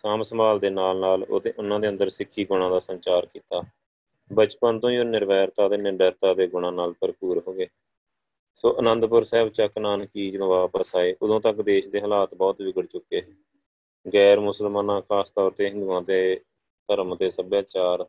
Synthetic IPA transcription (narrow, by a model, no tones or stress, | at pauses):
saːmsəmbaːld̪eːnaːlnaːlo̰ːd̪eːʔʊnãːd̪eːə̃nd̪əɾsɪkʰːiːɡʊɽ̃ãːd̪aːsənt͡ʃaːɾkiːt̪aː | bət͡ʃpənt̪õːjoːnɪɾʋɛːɾt̪aːd̪eːnɪɾbɛːɾt̪aːd̪eːɡʊɽ̃ãːnaːlpəɾpuːɾɦoːɡeː | soːʔənə̃nd̪pʊɾsɛːbt͡ʃəknaːnkiːd͡ʒd̪õːʋaːpəsaːeːʔʊd̪õːt̪əkd̪eːʃd̪eːɦəlaːt̪bɔːt̪d͡ʒɪɡəɽt͡ʃʊkːeː | ɡɛːɾmʊsəlmaːnãːkʰaːst̪ɔːɾt̪eːɦɪnd̪uãːd̪eː | t̪əɾəmd̪eːsəbjaːt͡ʃaːɾ